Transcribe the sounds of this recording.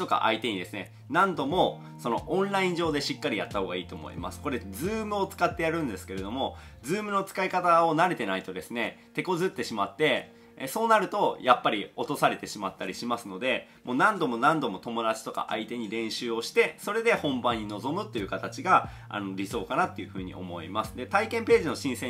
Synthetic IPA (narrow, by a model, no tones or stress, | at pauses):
t̪o̞ka̰ʔa̰it̪e̞ɲ̟id̪e̞sɨne̞ | nãnd̪o̞mo̞ | so̞no̞ʔõnɾaĩɲʑo̞ːd̪e̞ɕikːaɾʲijat̪ːaho̞ːɡaiːt̪o̞ːmo̰ḭma̰sɨ̥ko̞ɾe̞d͡zɨːmɯ̟o̞t͡sɨ̥kat̪ːejaɾɯ̟̃nd̪e̞sɨ̥ke̞ɾe̞d̪o̞mo̞d͡zɨːmɯ̟no̞t͡sɨ̥kaikat̪ao̞naɾe̞t̪e̞nait̪o̞d̪e̞sɨne̞t̪e̞ko̞zɨt̪ːe̞ɕimat̪ːe̞ | so̞ːnaɾɯ̟t̪o̞japːaɾʲio̞t̪o̞saɾe̞t̪e̞ɕimat̪ːaɾʲiɕimasɨno̞d̪e̞mo̞ːnãnd̪o̞mo̞nãnd̪o̞mo̞t̪o̞mo̞d̪at͡ɕi̥t̪o̞ka̰ʔa̰it̪e̞ɲ̟iɾẽ̞ɰ̃ɕɨːo̞ɕi̥t̪e̞so̞ɾe̞d̪e̞hõ̞mbãɲ̟ːino̞zo̞mɯ̟t̪ːe̞jɯ̟kat̪at͡ɕiɡa | a̰no̞ɾʲiso̞ːkanat̪ːo̞jɯ̟ɸɯ̟ːɲ̟ḭo̞̰mo̞ḭmasɨ̥d̪e̞t̪aikẽ̞mpe̞ːʑino̞ɕĩsẽ̞